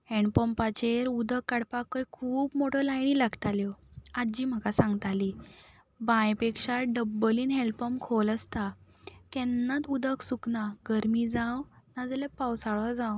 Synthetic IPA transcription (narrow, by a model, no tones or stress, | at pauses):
ɛɳpəmpat͡ɕeɾud̪əkːaɽpakːəjkʰuːpmoʈʰɔlajɳilaɡt̪aljɔad͡ʑiːm̤əkasãŋɡt̪aliː | bãjpekʂaɖəbːəliːnɦɛlpəmkʰoləst̪a | kɛnːat̪ud̪əksuknaɡəɾmid͡zãwnad͡zlepawsaɭɔd͡zãw